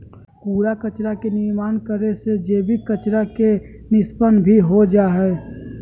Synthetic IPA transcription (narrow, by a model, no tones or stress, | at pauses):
puːɾakət͡ʃɾakenɪɾmaːnkəɾesed͡ʒeːbʱikət͡ʃɾake | nɪspənbʱiɦod͡ʒaːɦɛ